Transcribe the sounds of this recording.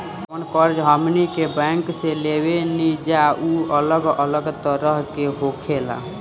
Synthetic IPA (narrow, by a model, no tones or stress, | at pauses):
ənkəɾd͡ʒɦəmnikebə̃ŋkselebenid͡ʒauələɡələɡt̪əɾəɦkeɦokʰela̰